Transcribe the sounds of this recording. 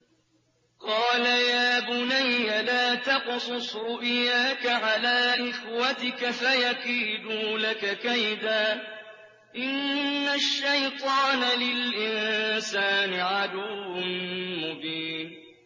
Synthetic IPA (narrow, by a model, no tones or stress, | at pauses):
qɑːlajaːbʊnajːalaːt̪ɑqsˤʊsˤɾʊʔɪjaːkaʕalaːʔɪxwat̪ɪkafajakiːd̪uːlakakajd̪aː | ʔɪnːaʃːajt̪ˤɑːnalɪlʔɪnsaːnɪʕad̪ʊwnmʊbiːn